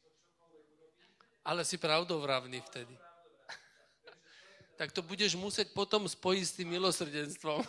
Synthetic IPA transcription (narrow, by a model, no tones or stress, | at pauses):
alɛsipɾaʊd̪ɔvɾaʊnift̪ɛd̪i | t̪ak̚t̪ɔbuɟɛʒmusɛc̚pɔt̪ɔmspɔjist̪imːilɔsr̩ɟɛnst̪ʋɔm